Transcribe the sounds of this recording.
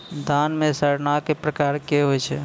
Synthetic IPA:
d̪ʱanmẽsəɾnakepɾəkaɾkeɦojt͡ʃʰɛ

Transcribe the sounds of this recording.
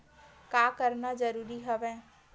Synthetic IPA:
kaːkəɾnazəɾuːɾiɦɐʋẽː

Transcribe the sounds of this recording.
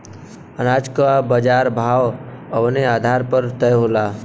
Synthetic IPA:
ənaːd͡ʒkabəd͡ʒaːɾbʱaːw | əʋneaːd̪ʱaːɾpəɾt̪əjɦola

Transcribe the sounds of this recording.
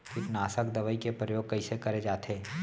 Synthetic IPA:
kɪt̪naːsəkd̪ɐʋəikepɾəjoːɡ̚kɐisekɐɾed͡ʒaːt̪ʰeː

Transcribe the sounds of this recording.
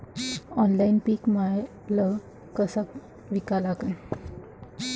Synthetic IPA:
ɔnlainpiːkmaj | lə | kəsa | ʋikalakə

